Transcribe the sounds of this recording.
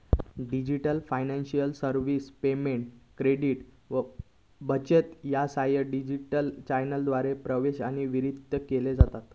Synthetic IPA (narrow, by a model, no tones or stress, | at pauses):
ɖid͡ʑiʈəlfajnãnɕiəlsəɾʋiːspemeɳʈkɾeɽiʈ | ʋə | bət͡ɕet̪jasajəɖid͡ʑiʈəlt͡ɕajnəld̪ʋaɾepɾəʋeɕaɽ̃iʋiɾid̪ʱːəkeled͡zat̪at̪